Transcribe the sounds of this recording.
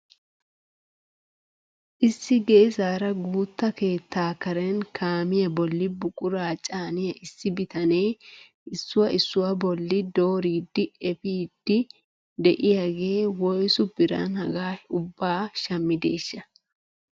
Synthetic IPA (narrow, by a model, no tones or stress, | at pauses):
ʔɪsːɪɡɛɪsaːɾɐɡuːt̪ːɐke̞ːt̪ʰːaːkɐɾɛnkʰaːmɪjɐbɔlːɪbʊkʼʊɾaːt͡ʃʼaːnɪjɐʔɪsːɪbɪt̪ɐne̞ː | ʔɪsːʊwɐɪsːʊwɐbɔlːɪd̪o̞ːɾiːd̪ːɪɛfiːd̪ːɪ | d̪ɛʔɪjaɡe̞ːwɔjsʊbɪɾɐ̰nhɐɡaːʊbːaːʃɐmːɪd̪e̞̰ːʃːɐ